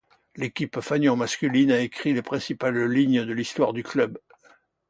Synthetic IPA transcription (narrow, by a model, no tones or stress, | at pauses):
lekʲipfanjɑ̃maskʲylinaekχilepχɛ̃sipalːiɲd̪əlist̪waʁd̪yklœb